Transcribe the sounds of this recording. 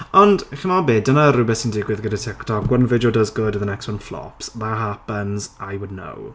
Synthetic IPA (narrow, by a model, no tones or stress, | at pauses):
ɔndχəmɔbeːdənəɾʊbɛsɪndɪɡwɪðɡədətʰɪktʰɔkwənvɪodəzɡʊdəðənɛkswənflˠɔ̰psmaɦapənzajwʊdⁿno̰w